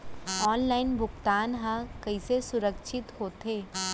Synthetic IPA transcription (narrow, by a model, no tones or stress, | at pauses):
ɔːnlaːɪnbʱʊkt̪aːnɦãkɐisesʊɾəkʃɪt̪ɦoːt̪eː